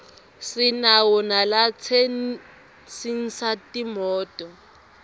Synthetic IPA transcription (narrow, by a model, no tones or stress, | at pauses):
sinawɔnalat͡sʰen | sin̩satimɔːtʼɔ